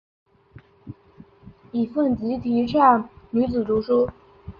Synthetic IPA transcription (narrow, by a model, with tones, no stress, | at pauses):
i˨˩fə˥˩nt͡ɕi˧˥t̪ʰi˧˥ʈ͡ʂʰa˥˩nny˧˥t͡sɹ̩˨˩ʈ͡ʂu˧˥ʂu˥